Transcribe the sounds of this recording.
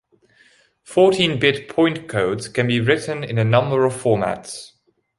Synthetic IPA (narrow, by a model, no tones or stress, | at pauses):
fɔˑtʰĩnbɪtpʰɔ̃ɪ̃nkʰəʊdz̥kʰə̃nbiɹɪʔn̩ɪ̰̃nənʌ̃mbəɹəv̥fɔːmæ̰ts